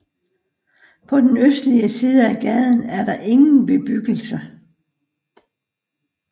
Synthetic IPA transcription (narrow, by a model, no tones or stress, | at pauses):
pʰɒ̽d̥enøsd̥liəsiːðˠəæɡ̥ɛð̞ˠn̩æɐɾɑ̈ʔe̝ŋn̩b̥e̝b̥yɡ̥l̩sə